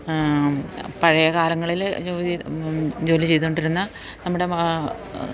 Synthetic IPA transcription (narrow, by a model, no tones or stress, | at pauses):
pɐɻɐjɐkaːlɐŋːɐɭild͡ʑoː | d͡ʑo̞ːlit͡ɕe̞jt̪ːɳɖiɾunːɐ | nɐmːuɽe̞